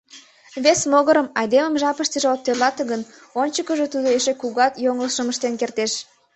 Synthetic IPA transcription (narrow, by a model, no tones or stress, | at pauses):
βesmoɣəɾəmɑjd̪eməmʒɑpəʃt̪ə̆ʒĕot̪ːelɑt̪əɣən | onʲt͡ɕəkəʒe̽t̪ud̪oeʃekuɣɑt̪joŋəlʃəməʃt̪enkert̪eʃ